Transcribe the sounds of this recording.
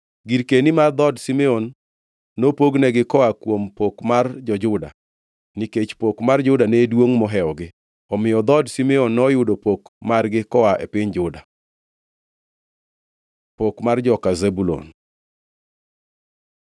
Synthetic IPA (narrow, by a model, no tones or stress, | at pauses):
ɡiɾkenimard̪ɔdsimɛɔnː | opoɡnɛɡɪkɔakwompokmard͡ʒɔd͡ʒʊda̰ | niket͡ʃpokmard͡ʒʊdanedwoŋmɔɦɛɔɡɪ | ɔmɪjɔd̪ɔdsimɛɔnːɔjʊdopokmarɡɪkɔaʔɛ̰pɪɲd͡ʒʊda | pokmard͡ʒɔkazebulo̰n